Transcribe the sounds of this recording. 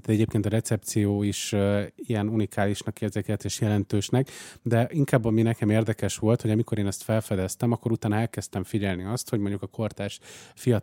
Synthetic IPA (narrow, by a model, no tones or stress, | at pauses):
ɛɟeːp̚keːnt̪ɒɾɛt̪sɛp̚t̪sijoːiʃijɛnunikʰaːliʃnɒkeːrzeːkɛlt̪eːʃjɛlɛnt̪øːʃnɛkd̪ɛʔiŋkaːbːɒminɛkɛmeːrd̪ɛkɛʃʋo̞lt̪ho̞ɟɒmiko̞ɾeːnɛst̪fɛlfɛd̪ɛst̪ɛmɒkːo̞ɾut̪aːnɒɛlkɛst̪ɛɱfiɟɛlniɒst̪ho̞ɟmoɲɟukɒkʰo̞rt̪aːʃfijɒ